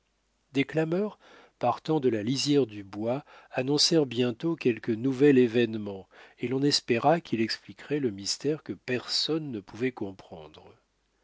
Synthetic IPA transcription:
d̪eklamœʁ | paʁt̪ɑ̃d̪əlalizjɛʁd̪ybwaːnɔ̃sɛʁbjɛ̃t̪okʲɛlkənuvɛlevɛnmɑ̃elɔ̃nɛspeʁakʲʰilɛksplikʁɛləmist̪ɛʁkəpɛʁsɔnːəpuvɛkɔ̃pχɑ̃d̪ʁ

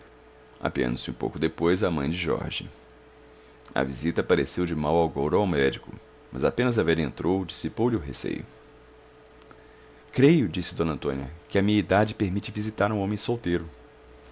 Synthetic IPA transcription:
a̰piɐ̰̃nd̪ʊsɪũpo̰wkʊd̪epojzɐmɐ̃j̃d͡ʒɪʒɔ̰ɾʒḭ | ɐ̰vizit̪ɐpaɾesewd͡ʒɪmawawɡowɾawmɛd͡ʒikʊ̰ | mɐ̰zapẽnɐzavɛʎẽnt̪ɾowd͡ʒisipowlɪʊɦesḛjʊ̰ | kɾejʊd͡ʒisɪd̪õnɐ̃nt̪õniɐ̰kɪɐmĩɲɐid̪ad͡ʒɪpeɾmit͡ʃɪvizit̪aɾũõmẽj̃sowt̪eɾʊ

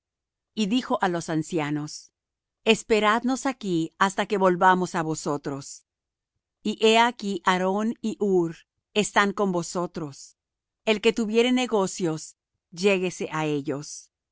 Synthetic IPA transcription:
iðixo̞ʔalo̞sansjano̞s | e̞spe̞ɾaðno̞sakiast̪ake̞βo̞lβamo̞saβo̞so̞t̪ɾo̞s | iʔe̞akiʔaɾo̞niʔuɾ | e̞st̪aŋko̞mbo̞so̞t̪ɾo̞s | e̞lke̞t̪uβje̞ɾe̞ne̞ɣo̞sjo̞s | ʝe̞ɣe̞se̞ʔae̞ʝo̞s

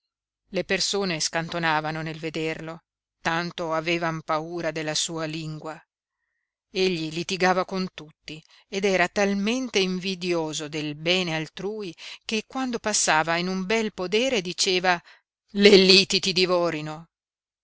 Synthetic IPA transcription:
lepersoːneskant̪onaːvanonelved̪erlo | t̪ant̪oaveːvampauːɾad̪elːasuːaliŋɡwa | eʎːilit̪iɡaːvakont̪ut̪ːi | ed̪ɛːɾat̪alment̪eiɱvid̪joːzod̪elbɛːnealt̪ɾuːik̟ekːwand̪opasːaːvainumbɛlpod̪ɛːɾed̪it͡ʃeːva | lelːit̪it̪id̪ivɔːɾino

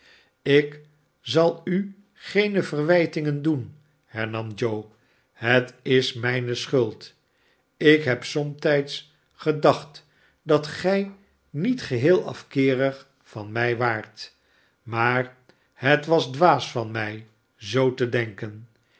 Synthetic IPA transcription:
ɪk | zɑlˠy | χejnəvərʋɛjtɪŋəndun | hɛɹnɑmd͡ʒow | ɦətɪsmɛjnəsχɵlˠt | ɪkɦɛpsɔmtɛjts | χədɑχt | dɑtχɛj | nitχəɦɪːlˠɑ̰fkɪːrəχ | fɑnmɛjʋaːɹt | maːr | hətʋɑzdʋaːsfɑnmɛj | zowtədɛŋkən

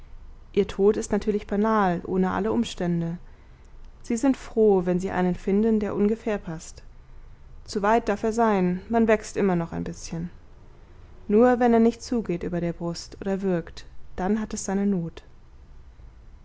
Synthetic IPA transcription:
ʔiːɐtʰoːtɪstnatʰyːɐlɪçb̥anaːlʔo̰ːnəʔa̰ləʔʊmʃtɛndə | z̥iːzɪntfʁ̥oːvɛnziːʔa̰ɪnənfɪndn̩deːɐʔʊnɡəfɛːɐpʰast | t͡suvaɪt̚d̥aɐfeːɐzaɪnmanvɛkstʔɪmɐnɔχaɪnbɪsçən | nuːɐvɛneːɐnɪçt̚t͡suːɡeːtʔyːbɐɾeːɐbʁʊstʔo̰ːdɐvɪɐktd̥anɦatɛsz̥aɪnənoːt

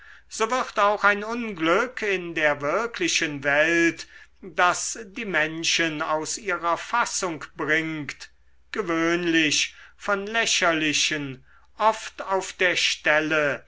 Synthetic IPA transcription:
z̥oːvɪʁtaʊxaɪnʊnɡlʏkʰɪndeːɐvɪɐkʰlɪʃənvɛltd̥asdiːmɛnʃənaʊsiːʁɐfasʊŋkb̥ʁɪŋkt | ɡ̥əvøːnlɪʃfɔnlɛɕɐlɪʃən | ʔɔftaʊfd̥eːɐʃtɛlə

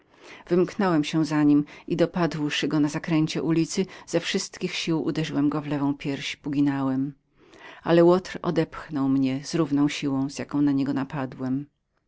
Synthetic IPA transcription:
vɘmknɔwɛmɕɛzaɲimid̪ɔpad̪wʂɘɡɔnazakɾɛɲt͡ɕɛ̰ʔulʲit̪sɘz̥ɛfʂɘst̪kʲixɕiwʔṵd̪ɛʐɘwɛmɡɔvlɛvɔ̃w̃pʲjɛɾɕpuɡʲinawɛm | a̰lɛwɔt̪ɾɔ̰d̪ɛpxnɔwmɲɛzɾuvnɔ̃w̃ɕiwɔ̃w̃z̥jakɔ̃w̃naɲɛɡɔnapad̪wɛm

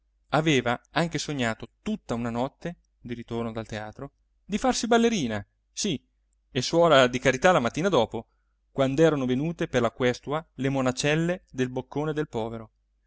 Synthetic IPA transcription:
aveːvaaŋkesoɲːaːt̪ot̪ut̪ːaunanɔt̪ːe | d̪iɾit̪ornod̪alt̪eaːt̪ɾo | d̪ifarsibalːeɾiːna | si | eswɔːɾad̪ikaɾit̪alamat̪ːiːnad̪ɔːpo | kwand̪ɛːɾanovenuːt̪eperlakwɛst̪ualemonat͡ʃɛlːed̪elbokʰːoːned̪elpɔːveɾo

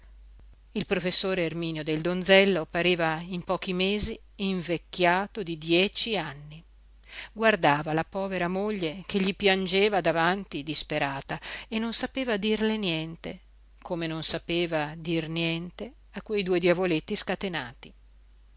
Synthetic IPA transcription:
ilpɾofesːoːɾeːrmiːnjod̪eld̪ond̪zɛlːopaɾiːvaimpɔːkimeːziː | ɱvekːjaːt̪od̪id̪jɛːt͡ʃianːi | ɡward̪aːvalapɔːveɾamoʎːekeʎːipjand͡ʒeːvad̪avant̪id̪ispeɾaːt̪aenːonsapeːvad̪irlenjɛnt̪e | kʰomenonsapeːvad̪irnjɛnt̪e | akːwejd̪ued̪javolet̪ːiskat̪ena̰ːt̪i

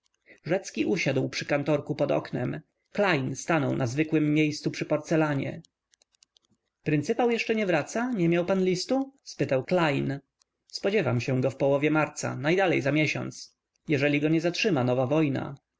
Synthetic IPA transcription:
ʐɛt̪skʲiʔuɕad̪wpʂɘkant̪ɔɾkupɔd̪ɔ̰knɛ̰m | klajnst̪anɔwnazvɘkwɘmːʲjejst̪supʂɘpɔɾt̪sɛlaɲɛ̰ | pɾɨnt̪sɘpawjɛʂt͡ʂɛɲɛvɾat̪saɲɛmʲjawpanlʲist̪uspɘt̪awklajn | spɔd͡ʑɛvamɕɛ̃ɡɔfpɔwɔvʲjɛmaɾt̪sa̰najd̪alɛjzamʲjɛɕɔ̰nt̪s | jɛʐɛlʲiɡɔɲɛzatʂɘmanɔvavɔjna̰

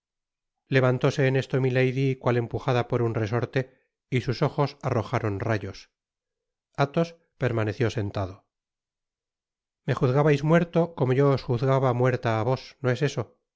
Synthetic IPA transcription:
le̞βant̪o̞se̞ːne̞st̪o̞milejðikwale̞mpuxaðapo̞ɾunre̞so̞ɾt̪e̞ | isuso̞xo̞saro̞xaɾo̞nrajos | at̪o̞s | pe̞ɾmane̞θjo̞se̞nt̪aðo | me̞xuθɣaβajzmwe̞ɾt̪o̞ko̞mo̞ʝoːsxuθɣaβamwe̞ɾt̪aːβo̞snoe̞se̞so̞

